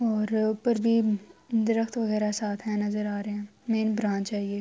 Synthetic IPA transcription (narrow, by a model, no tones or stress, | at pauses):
ɔːɾpəɾbʱid̪ɪɾəxt̪ʋɐɣɛːɾasaːt̪ʰɦɛ̃nɐzəɾaːɾɐɦɛ̃ːmẽːnbɾãːt͡ʃaːɦieː